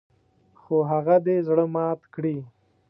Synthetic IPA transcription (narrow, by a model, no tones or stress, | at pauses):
xoɦaɣad̪ezɽəmɑt̪kɽi